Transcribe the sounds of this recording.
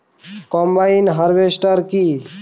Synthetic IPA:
kɔmbainɦəɾʋesʈəɾki

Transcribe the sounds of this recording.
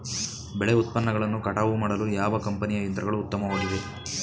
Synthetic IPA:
beɭeut̪̚pɐnːɐɡɐɭɐnːukɐʈaːʋumaːɽɐlujaːʋɐkɐmpɐnijɐint̪ɾɐɡɐɭuːt̪ːɐmɐʋaːɡid̪e

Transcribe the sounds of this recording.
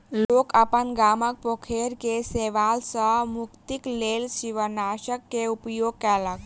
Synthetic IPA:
loːkapənɡaːmək̚pokʰeɾkeseːʋaːlsəmʊkt̪ikleːlʃiʋənaʃəkːeupjoːɡ̚kɛlək

